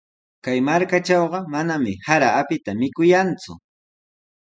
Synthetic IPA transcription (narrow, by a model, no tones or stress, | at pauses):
kajmaɾkat͡ʃɑwɢɑmanamɪhaɾaːpɪt̪amɪkʊjant͡sʊ̰